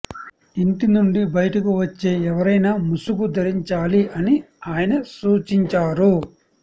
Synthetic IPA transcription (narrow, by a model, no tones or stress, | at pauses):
iɳʈ̪inuɳɖibɐjɐʈɐkuʋɐt͡ʃːe̞ːɛʋɐɾɐjnaːmusuɡud̪ʱɐɾiɲt͡ʃaːliɐni | aːjɐnɐsuːt͡ʃiɲt͡ʃaːɾu